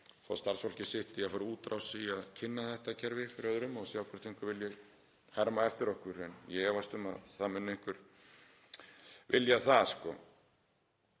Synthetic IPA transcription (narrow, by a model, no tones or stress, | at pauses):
fa̰st̪aɾ̥rsfɔl̥cɪsɪht̪ɪjafaɾɪuːt̪ɾʔawsiaðcʰɪnːaθɛht̪acʰɛɾvɪfɪɾɪœðɾʏmɔɣsjawkʰɛɾ̥t̪ʰejŋ̥kʏɾvɪljɛɣ | hɛɾmaɛft̪ɪɾɔhkʏɾɛnjɛɛvajst̪ʏma̰ðθaðmɪnːejŋ̥kʏɾ̥ | vɪljaθaskɔ